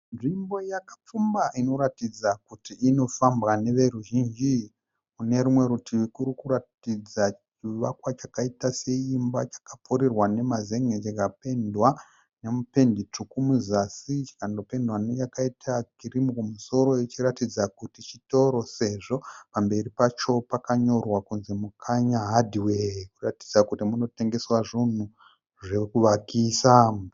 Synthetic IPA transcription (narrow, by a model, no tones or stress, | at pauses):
nʐimbo̞jakḁp͡fumbaʔino̞ɾatid͡zakutiino̞fambwane̞ʋe̞ruʒind͡ʒi | kune̞ɾumwe̞ɾutʰiʋikuɾikuɾatid͡zat͡ʃiʋakwat͡ʃakaitase̞imba̰t͡ʃḁkapʰoɾirwane̞maze̞ŋet͡ʃakape̞ndwa | ne̞mupe̞ndit͡ʂukumuzasit͡ʃi̥kando̞pe̞ndwanejakaitʰaɡʱiɾimukumuso̞ɾo̞it͡ʃiɾatid͡zakutit͡ʃito̞ɾo̞se̞ʐo̞pambe̞ripat͡ʃo̞pakaɲo̞rwakunzemukʰaɲaɦadʱiweɦkuratid͡zakutimuno̞te̞ŋɡe̞swaʐun̤u | ʐe̞kuʋakiːsam